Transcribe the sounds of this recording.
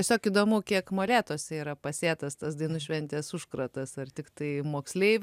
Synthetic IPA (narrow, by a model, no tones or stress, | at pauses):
ɛsʲoːkiːd̪oːmʊkʲiɛkmoːlʲæːt̪oːsʲɛiːɾɐpɐsʲeːt̪ɐst̪ɐsd̪ɐɪnʊʃʲʋʲɛnʲt̪ʲɛːsʊʃkɾɐt̪ɐsɐrt̪ʲɪkt̪ɐɪmoːksʲlʲeɪʋʲ